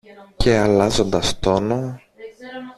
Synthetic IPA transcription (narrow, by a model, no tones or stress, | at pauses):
cʰeɐlɐzo̞nd̪ɐst̪ono